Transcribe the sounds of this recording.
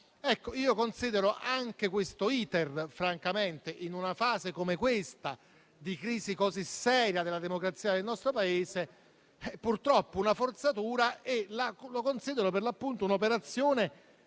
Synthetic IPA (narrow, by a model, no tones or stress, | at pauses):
ɛkːoiːokonsiːd̪eɾoʔaŋk̟ekwest̪oiːt̪erfɾaŋkament̪eʔinunafaːzekomekwest̪a | d̪ikɾiːzikozisːɛːɾjad̪elːad̪emokɾat̪siːad̪elnɔst̪ɾopaeːze | ɛpurt̪ɾɔpːounafort̪sat̪uːɾaʔelalokonsiːd̪eɾoperlapːunt̪ounopeɾat̪sːjoːne